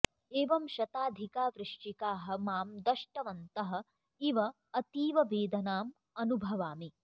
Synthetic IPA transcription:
eːʋɐmʃɐt̪aːd̪ʱikaːʋɾɪʂʈikaːɦɐ̆maːmd̪ɐʂʈɐʋɐnt̪ɐɦɐ̆ | iʋɐ | ɐt̪iːʋɐʋeːd̪ɐnaːm | ɐnubʱɐʋaːmi

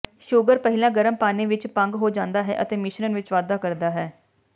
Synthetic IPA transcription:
ʃʊɡəɾpəɦɪlãːɡəɾəmpaːnẽːʋɪt͡ʃpəŋɡɦoːd͡ʒãːnd̪aːɦɛ̰ːʔət̪eːmɪʃnənʋɪt͡ʃʋaːd̪aːkəɾd̪aːɦɛː

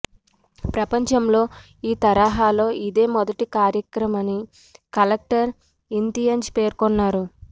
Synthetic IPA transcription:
pɾɐpɐɲt͡ʃɐmlo̞ː | iːt̪ɐɾaːɦaːlo̞ːʔid̪e̞ːmɔd̪ɐʈikaːɾjɐkɾɐmɐni | kɐlɐk̚ʈɐɾ | int̪ijɐɲd͡ʒpe̞ːɾkɔnːaːɾu

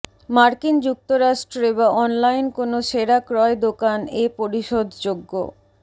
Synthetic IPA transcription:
maɾkind͡ʑuk̚t̪oɾaʃʈɾoebaʔɔnlajnkonoʃeɾakɾɔed̪okanepoɾiʃod̪ʱd͡ʑoɡːo̰

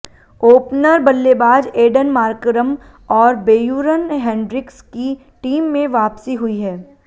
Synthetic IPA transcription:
oːpnəɾbɐlːebaːd͡ʒeːɖənmaːɾkɾəm | ɔːɾbeːjuːɾənɦɛ̃ːɳɖɾɪkski | ʈiːmːẽʋaːpsiɦʊiɦɛː

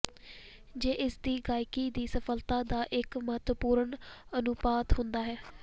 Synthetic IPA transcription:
d͡ʒeːʔɪsd̪iːɡaːɪkiːd̪iːsəfəlt̪ãːd̪aːʔɪkmət̪əpuːɾəɳənʊpaːt̪ɦʊnd̪aːɦɛː

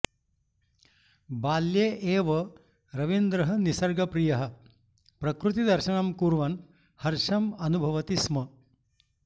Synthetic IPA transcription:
baːljeːʔeːʋɐ | ɾɐʋind̪ɾɐɦɐnisɐɾɡɐpɾijɐɦɐ̆ | pɾɐkɾut̪id̪ɐɾʃɐnɐmkuɾʋɐn | hɐɾʃɐmɐnubʱɐʋɐt̪ismɐ

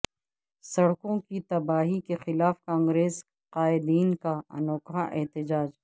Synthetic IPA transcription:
sɐɽkõkit̪ɐbaːɦikexɪlaːfkãːŋɡɾeːs | qaːɪd̪iːnkaɐ̰noːkɦaʔɛɦt̪ɪd͡ʒaːd͡ʒ

